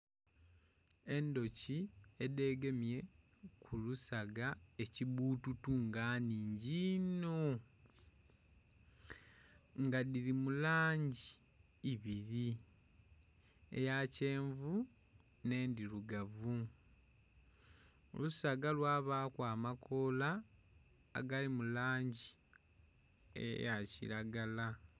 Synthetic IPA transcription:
e̞ndo̞ciede̞ːɡe̞mje̞ | kʰulusaɡae̞ciβuːtutuŋɡaːniːɲɟino̞ | ŋɡadiɾimulaːɲɟiː | βiɾi | ḛjace̞ːɱvu | ne̞ːndiɾuɡavu | o̰lusaːɡalwaːβaːkwaːmakʰo̞la̰ː | ɡalimulaːɲɟi | ḛjacḭɾaɡala

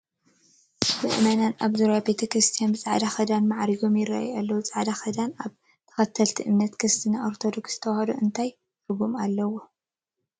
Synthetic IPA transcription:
bɨʔɨmananaβzuɾjabet̪ʰɐkɾɨst̪ʰijanbɨt͡sʼaʕd̪axɐd̪anmaʕɾiɡo̞mjɪrːa̰ʔa̰jalːɐwut͡sʼaʕd̪axɐd̪anaβ | t̪ʰɐ̥xɐt̪ʰːɐlt̪ʰiʔɨmnɐt̪kʰɨst̪ʰɨnaʔoɾt̪ʰo̞d̪oksz̥ɨ̥t̪ʰɐwhɐd̪oʔɨnt̪ʰaj | t̪ɨɡumalːɐwo

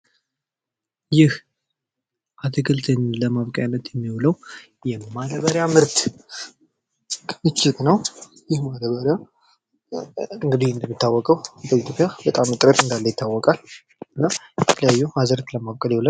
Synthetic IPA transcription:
jɪh | ʔat̪ʰəkʰəlt̪ʰəɲləmaβkʼajnət̪jɛmːiwuləw | jɛmad̪əβəɾjamɨɾt̪ | kʰmɨt͡ʃːɪt̪nəw | jɪhmad̪əβəɾja | ɨŋɡɨd̪ind̪əmːɨt̪ʰːawːɔkʼəwdəit̪ʰjo̞pʼjabət̪ʼamɨt̪ʼɾət̪ɨnd̪alːəjɪt̪ʰːawːɔkʼal | ɨnːabbət̪ʰəljajːuhazəɾt̪ləmaβkʼəljɛwulə

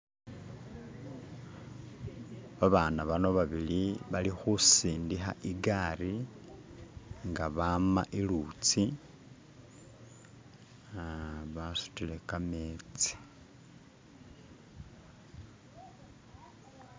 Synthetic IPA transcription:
βaβaːnaβano̞βaβiliβalixusiːndixa̰ʔiɡaɾi | ŋɡaβama̰ʔilut͡si | aβasu̥tile̞kameːt͡si̥

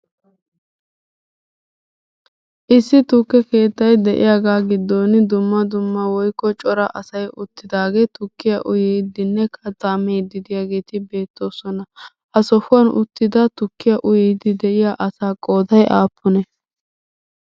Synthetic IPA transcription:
ʔɪsːɪt̪ʊkːɛke̞ːt̪ːɐjd̪ɛʔɪ̰jaːɡaːɡɪd̪ːoːnɪd̪ʊmːɐd̪ʊmːɐwɔjkːɔt͡ʃʼɔɾɐʔɐsɐjʔʊt̪ːɪd̪aːɡe̞ːt̪ʊkːɪjɐʔʊjɛd̪ɪnːɛkʰɐt̪ːaːmejd̪ɪd̪ɪjaːɡe̞ːt̪ɪbe̞ːt̪ːo̞ːsɔnɐ | ʔɐsɔhʊɐnʊt̪ːɪd̪ɐt̪ʊkːɪjɐʔʊjɛːd̪ɪd̪ɛʔɪjaːʔɐsaːkʼo̞ːd̪ɐjʔaːpːʊnɛ

